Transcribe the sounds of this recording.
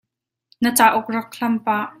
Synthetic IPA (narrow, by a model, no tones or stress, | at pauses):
nət͡saːʔʊk̚rɐk̚ɬɐmpaʔ